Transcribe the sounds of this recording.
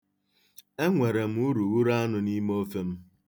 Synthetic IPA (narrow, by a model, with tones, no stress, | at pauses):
e˦ŋʷe˨ɾe˨m̩˦u˦ɾu˨wu˦ɾa˦nʊ˨ni˦mo˦fe˦m̩˦